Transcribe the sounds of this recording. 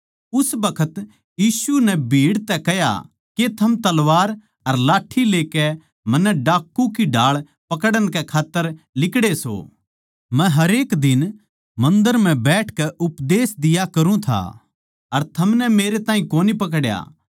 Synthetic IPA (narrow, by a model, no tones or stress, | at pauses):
ʊsbɐkʰət̪ | jiːsunɛbʱiːɽt̪ɛkɛja̰ | ket̪ʰɐmt̪ɐlʋaːɾ | ɐɾlaːʈʰileːkɛ | mɐnːɛɖaːkːũkiɖʱaːɭ | pɐkəɽənkɛkʰaːt̪ːəɾ | lɪkɽeso̰ː | mɛ̃ɦɐɾeːkd̪ɪn | mɐ̃nd̪əɾm̤ɛ̃bɛːʈʰkɛʔʊpd̪eːsd̪ɪjakɐɾũt̪ʰa̰ | ɐɾt̪ʰɐmnɛmeːɾet̪ãːĩkoːnipɐk̬ɽja̰ː